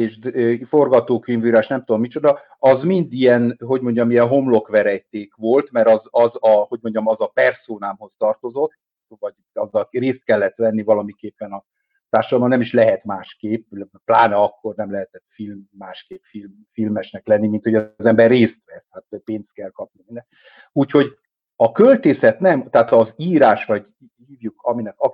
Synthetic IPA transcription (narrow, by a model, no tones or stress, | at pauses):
eːʃd̪øfo̞rɡɒt̪oːkynvyɾaʃnɛmt̪ud̪omːit͡ʃo̞d̪ɒ | ɒzmind̪ijɛnɦo̞ɟmo̞ɲɟɒmiɛnɦo̞mlo̞kʋɛɾɛjt̪eːkʋo̞lt̪mɛɾɒzɒzɒho̞ɟmo̞ɲɟɒmɒzɒpɛrsoːnaːmɦo̞st̪ɒrt̪o̞zo̞t̪ː | vɒɟ | ɒzːɒlreːst̪̚kɛlːɛt̪ʋɛnːivɒlɒmikeːpːɛnɒ | t̪aːrʃɒd̪ɒlmbɒnɛmiʃlɛɦɛt̪maːʃkeːpːplaːnɒɒkːo̞rnɛmlɛɦɛt̪ɛt̪filmːaːʃkeːpfil | filmɛʃnɛklɛnːimint̪ho̞ɟɒzɛmbɛrːeːst̪ʋɛt̪haːt̪peːnst̪̚kɛlkɒp̚niminːɛ | uːcho̞ɟ | ɒkølt̪eːsɛt̪nɛmt̪ɛaːt̪ɒziːɾaːʃʋɒɟ | hiːvjukʰɒminɛkɒ